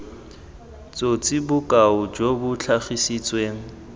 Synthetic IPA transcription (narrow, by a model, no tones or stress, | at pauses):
t͡sʼot͡sʼibʊkʼaʊd͡ʒobʊt͡ɬʰaχisit͡sʼweːŋ̩